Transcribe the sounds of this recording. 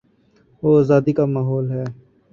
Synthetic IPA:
oːazaːd̪ikamaːɦɔːlɦɛː

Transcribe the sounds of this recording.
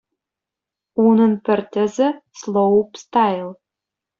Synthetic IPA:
unə̆npɘ̆rt̪ʲɘ̆zɘslˠowpst̪ɑjlˠ

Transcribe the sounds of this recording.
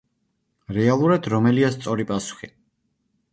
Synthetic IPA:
ɾɛalˠuɾad̪ɾɔmɛliast̪sʼɔɾipʼasu̥χi

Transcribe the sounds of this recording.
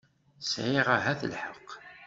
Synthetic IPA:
sʕiʁaɦæθəlħəqː

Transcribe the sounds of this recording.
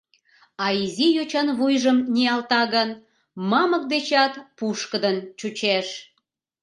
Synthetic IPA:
ɑizijøt͡ɕɑnβujʒəmnʲiɑlt̪ɑɣən | mɑmək̚d̪et͡ɕɑt̪puʃkəd̪ənt͡ɕut͡ɕeʃ

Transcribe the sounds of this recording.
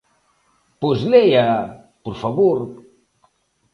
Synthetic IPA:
pozleja | poɾfaβoɾ

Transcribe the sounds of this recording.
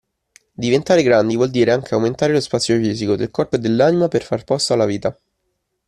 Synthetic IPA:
d̪ivent̪aːɾeɡɾand̪ivwɔld̪iːɾeaŋk̟eawment̪aːɾelospat̪sːjofiːzikod̪elkɔrpoed̪elːanimaperfarpɔst̪oalːaviːt̪a

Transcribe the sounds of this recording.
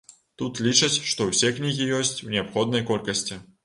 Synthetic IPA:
t̪ut̪lʲit͡ʂɐt͡sʲʂt̪ɔwsʲɛknʲiɣʲijɔsʲt͡sʲuwnʲɛapxɔd̪̚nɐjkɔlʲkɐsʲt͡sʲi

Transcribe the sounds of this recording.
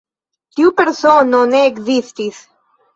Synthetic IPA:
t̪iupeɾsononeːkzist̪is

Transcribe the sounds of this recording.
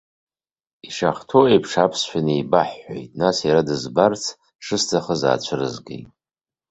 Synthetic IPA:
iʂaχtʰoejpʰʂapʰsʃʷᶣanijbaħːo̰jtʼnasjaɾadɨzbart͡sʰ | ʂɨstʰaχəza̰ːt͡ɕʷʰɨrɨ̰zɡḛjtʼ

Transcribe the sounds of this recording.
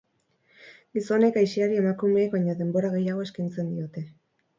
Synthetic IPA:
ɡiso̞ne̞kajsiaɾie̞makume̞ːkβaɲoðe̞mbo̞ɾaɣe̞jaɣ̞o̞e̞skajnt͡se̞nd̪io̞t̪e̞

